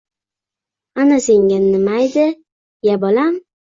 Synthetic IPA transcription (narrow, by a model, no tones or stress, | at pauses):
anaseŋʲanːɪmajd̪ɪ | jabɒlam